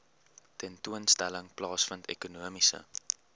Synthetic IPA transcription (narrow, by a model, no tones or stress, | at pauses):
tɛntuənstæləŋplɑːsfəntḛkunuəmisə̰